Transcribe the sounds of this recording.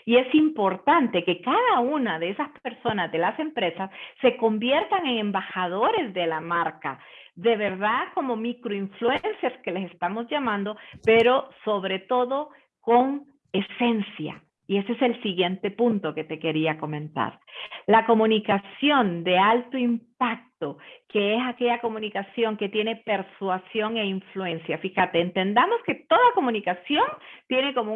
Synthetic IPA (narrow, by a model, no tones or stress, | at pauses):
ie̞simpo̞ɾt̪ant̪e̞ke̞kaðaunaðeesaspe̞ɾso̞nazd̪e̞lase̞mpɾe̞sasːe̞ko̞mbje̞ɾt̪aŋe̞ŋe̞mbaxaðo̞ɾe̞zðe̞lamaɾkaðe̞βe̞ɾðako̞mo̞mikɾoiɱflue̞nseske̞le̞sest̪amo̞zʝamãnd̪o̞pe̞ɾo̞so̞βɾe̞t̪o̞ðo̞ | ko̞ŋ | e̞se̞nsja̰ | ie̞sese̞lsiɣje̞nt̪e̞punt̪o̞ke̞t̪e̞ke̞ɾiako̞mẽ̞nt̪a̰ɾlako̞mũnikasjo̞nd̪e̞alt̪o̞impak̚t̪o̞ke̞esake̞ʝako̞mũnikasjo̞ŋke̞t̪je̞ne̞pe̞ɾswasjo̞ŋe̞iɱflue̞nsjafixat̪eːnt̪e̞nd̪amo̞ske̞t̪o̞ðako̞mũnikasjo̞nt̪je̞ne̞ko̞mo